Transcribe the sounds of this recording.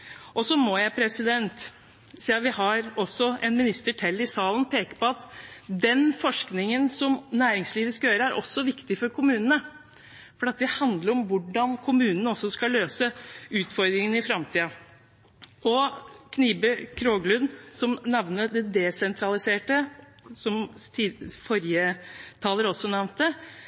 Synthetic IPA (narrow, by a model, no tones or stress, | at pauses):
ʔɔsɔmɔjæɪpʰɾɛsɪd̪ɛnt̪ | siːɑʋɪhɑɾɔsːɔɛnmɪnɪst̪əʈʰɛlːɪsɑːln̩pʰeːkəpɔɑt̪d̪ɛnfɔʂknɪŋənsɔmnæːɾɪŋsliːʋəskɑjøːɾəæɾʔɔ̰sːɔʋɪkt̪ɪfɔɾkʰʊmʉːnənə | fɔɾɑt̪̚d̪ɛhɑnd̪ləɾɔmʋʊɖɑnkʰʊmʉːnənəɔsːɔskɑløːsəʉːt̪fɔɾd̪ɾɪŋənɪfɾɑmt̪ʰiːɑ | ɔkʰniːbəkʰɾoːɡlʉnsɔmnɑʋnəd̪ɛd̪ɛsɛnt̪ʰɾɑlɪseːʈə | sɔmː | fɔɾjət̪ʰɑːləɾɔsːɔnæʋnt̪̚d̪ə